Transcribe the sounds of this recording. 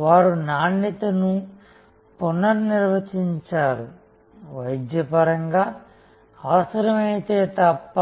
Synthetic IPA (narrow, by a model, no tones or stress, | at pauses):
ʋaːɾunaːnːit̪ɐnu | punːɐɾniɾʋɐt͡ʃiɲt͡ʃaːɾu | ʋɐjd̪jɐpɐɾɐŋɡaː | aːsɐɾɐmɐjt̪e̞ːt̪ɐpːɐ